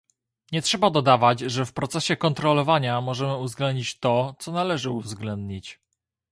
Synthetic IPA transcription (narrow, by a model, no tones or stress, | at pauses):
ɲɛtʂɛbad̪ɔd̪avad͡ʑʐɛfpɾɔt̪sɛɕɛkɔnt̪ɾɔlɔvaɲamɔʐɛmɘuvzɡlɛnd̪ɲit͡ɕt̪ɔt̪sɔnalɛʐɘuvzɡlɛnd̪ɲit͡ɕ